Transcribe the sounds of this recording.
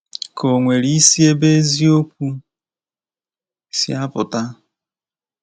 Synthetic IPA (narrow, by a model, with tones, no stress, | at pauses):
kʰo˨ŋʷe˨ɾi˦si˦e˦be˦zi˦o˦k̚ʷu˦ | sḭ˦a˦pʊ˨ta˦